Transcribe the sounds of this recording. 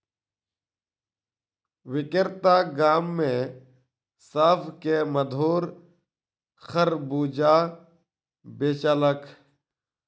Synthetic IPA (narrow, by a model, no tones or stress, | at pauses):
ʋɪkɪɾt̪aːɡaːmːẽː | saːfkeːməd̪ʱoːɾ | xəɾbuːd͡ʒaː | beːt͡ʃələkʰ